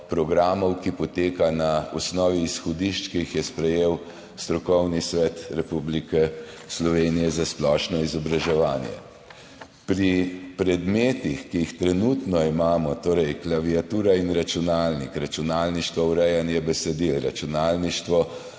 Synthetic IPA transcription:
pɾɔɡɾaːmɔwkipɔt̪eːkanaɔsnɔːʋiːsxɔd̪iʃt͡ʃkijixjɛspɾɛjeːw | st̪ɾɔkɔwnisʋɛt̪ɾɛpublikɛ | slɔʋeːnijɛzasplɔʃnɔizɔbɾaʒɛʋaːnjɛ̰ | pɾipɾɛd̪meːt̪ixkijixt̪ɾɛnut̪nɔimaːmɔt̪oːɾɛjklaʋiat̪uːɾainɾat͡ʃunaːlnikɾat͡ʃunaːlniʃt̪ʋauɾɛjanjɛbɛsɛd̪ilɾat͡ʃunaːlniʃt̪ʋɔ

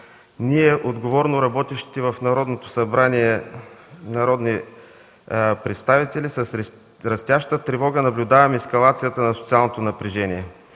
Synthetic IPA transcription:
niɛʔod̪ɡovɔɾnoɾɐbɔt̪iʃt̪i̥t̪ɛvɐfnɐɾɔd̪not̪o̥sɐbɾaniɛ | nɐɾɔd̪ni | pɾɛt̪st̪avit̪ɛlisəs | ɾɐst̪jaʃt̪ət̪ɾɛvɔɡənɐblʲʊd̪avɐmɛskɐlˠat̪sijət̪ənɐsot̪sialˠnot̪onɐpɾiʒɛniɛ

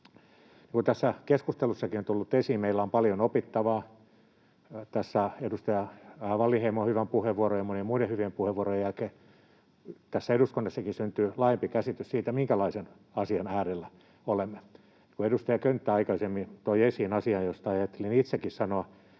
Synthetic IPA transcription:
niːŋkut̪æsːækeskust̪elusːɑkiont̪ulːut̪ːesiːmmeilːæompɑljonopit̪ːɑʋɑː | t̪æsːæedust̪ɑjɑʋɑlːiheimohyʋæmpuheʋʋuorojɑmonimuidehyʋiempuheʋːuorojjælkeː | t̪æsːæeɾuskonːɑsːɑkisynt̪yːlɑːjempikæsit̪yssiːt̪æmiŋkælɑisen | ɑsiɑnæːɾelːæ | olemːe | ikuedust̪ɑjɑkønt̪ːæɑikɑisemːit̪oiesiːnɑsiɑjjost̪ɑɑjɑt̪ːelinit̪sekːissɑnoɑ

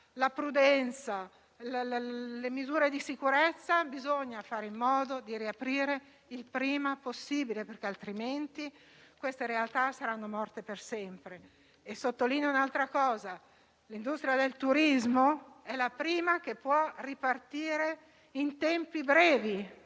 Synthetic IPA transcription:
lapɾud̪ɛnt̪sa | lallemizuːɾed̪isikuɾet̪sːabizoɲːafaːɾeimːɔːd̪od̪iɾiapɾiːɾe | ilpɾiːmaposːiːbileperk̟ealt̪ɾiment̪i | kwest̪eɾealt̪asaɾanːomɔrt̪epersɛmpɾe | esːot̪ːoliːnounalt̪ɾakɔːza | lind̪ust̪ɾijad̪elt̪uɾizmoɛlapɾiːmak̟epːwɔripart̪iːɾe | int̪ɛmpibɾɛːvi

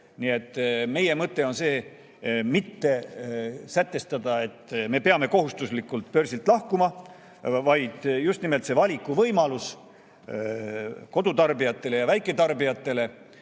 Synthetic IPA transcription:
nie̞t̪ˑːme̞je̞mɤt̪ːe̞o̞nse̞ː | mit̪ːe̞ | sæt̪ːe̞st̪ɑd̪̥ɑe̞t̪ːme̞peɑme̞ko̞ɦust̪uslikːˑult̪pø̞rsilt̪ˑlɑhkumɑ | vɑjd̪̥just̪nimelt̪se̞vɑlʲikːˑuvɤjmɑlus | ko̞d̪̥ut̪ɑrbijɑt̪ːe̞le̞jɑvæjkːˑe̞t̪ɑrbijɑt̪ːˑe̞le̞

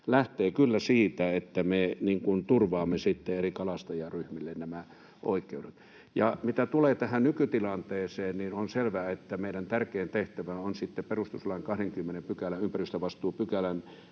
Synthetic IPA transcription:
læht̪eːkylːæsiːt̪æet̪ːæmeniŋkunt̪urʋɑːmːesit̪ːeerikɑlɑst̪ɑjɑryhmilːennæmæ | ʔo̰ˑikːˑeuɾet̪ | jɑmit̪æt̪uleːt̪æhænnykyt̪ilɑnt̪eːseːnninonselʋæːet̪ːæmeˑiɾænt̪ærkeːnt̪eht̪æʋæonsit̪ːeperust̪uslɑiŋkɑhɾeŋkymːenempykælæympæryst̪æʋɑst̪ˑuːpykælæn

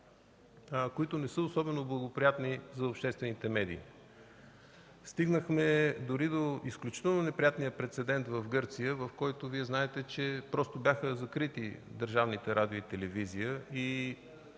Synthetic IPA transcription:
koit̪ʊnɛsəosɔbɛnoblˠəɡopɾijat̪nizɐʊpʃt̪ɛst̪vɛnit̪ɛmɛd̪iː | st̪iɡnəxmɛd̪ʊɾid̪oisklʲut͡ʃi̥t̪ɛlˠnonɛpɾʲijat̪nijəpɾɛt̪sɛd̪ɛnt̪vəfɡɤɾt̪sijəvəfkɔjt̪oviɛznaɛt̪ɛt͡ʃɛpɾɔst̪objaxəzɐkɾit̪id̪əɾʒavnit̪ɛɾʔad̪ioit̪ɛlɛvizijəi

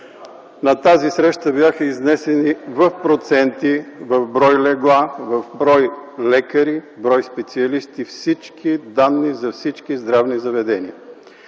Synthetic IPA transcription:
nɐt̪azisɾɛʃt̪əbjaxəiznɛsɛnivɐfpɾot̪sɛnt̪ivɐvbɾɔjlɛɡlˠavɐvbɾɔjlɛkəɾibɾɔjspɛt̪siɐlist̪ifsit͡ʃkid̪anːizɐfsit͡ʃkizd̪ɾavnizɐvɛd̪ɛniə

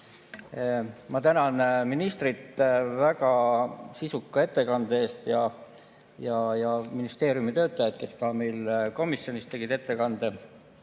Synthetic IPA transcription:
mɑt̪ænɑnminist̪rit̪ːˑvækɑsisukːɑe̞t̪ːe̞kɑnd̪̥ee̞ːst̪jɑ | jɑjɑminist̪e̞ːɾjumit̪ø̞ːt̪ːˑɑjɑd̪̥̚ke̞skɑme̞jlko̞misjo̞nist̪e̞ɡ̥id̪̥e̞t̪ːe̞kɑnd̪̥e̞

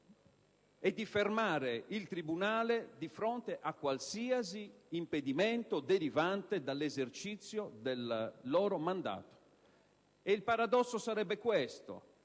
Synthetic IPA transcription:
ɛd̪ːifermaːɾeilt̪ɾibunaːled̪ifɾont̪eʔakːwalsiːaziːmped̪imɛnt̪od̪eɾivant̪ed̪alːezert͡ʃit̪sːjod̪elːɔːɾomand̪a̰ːt̪o̥ | eilpaɾad̪ɔsːosaɾɛbːekwɛst̪o̰

